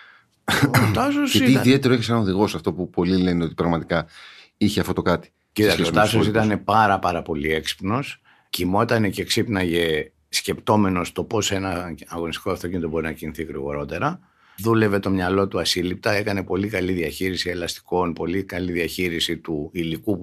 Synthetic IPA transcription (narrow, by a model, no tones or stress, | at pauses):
t̪ɐsoseiiðie̞t̪eɾoeçesɐnoðiɣo̞sɐft̪o̞pupo̞lile̞neo̞t̪ipɾɐɣmɐt̪ikɐ | içeɐft̪ot̪o̞kɐt̪i̥ | cit̪ɐkseot̪ɐsos̬it̪ɐne̞pɐɾɐpɐɾɐpo̞lie̞ksi̥pno̞s | cimo̞t̪ɐne̞ceksipnɐʝe | sce̞pt̪o̞me̞no̞st̪o̞po̞se̞nɐːɣo̞nist̪i̥ko̞ɐft̪ocinit̪o̞bo̞ɾinɐciniθiɣɾḭɣo̞ɾo̞t̪e̞ɾɐ | ðule̞ve̞t̪o̞mɲɐlo̞t̪uɐsilip̚t̪ɐe̞kɐne̞po̞likɐliðiɐçiɾisie̞lɐst̪i̥ko̞npo̞likɐliðiɐçiɾisit̪uiliku